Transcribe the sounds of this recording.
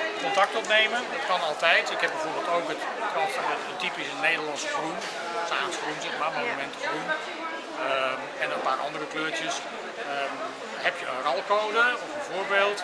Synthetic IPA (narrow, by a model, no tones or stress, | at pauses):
kɔntɑk̚tɔpnejməndɑtkɑnɑlˠtɛjtɪkɦɛb̚ɛjvoːɹbeːlˠtowkət | əkɑtfɔnəətipɪsənːejdəlɑnsəfrun | staːsfrunsɪnmamonnəmɛntəfrun | ɛnənpaːɾʔɑ̰ndərəkløːɹtjəs | ə | ɦɛpjəərɑlˠkowdəɔfənvoːɹbeːlˠt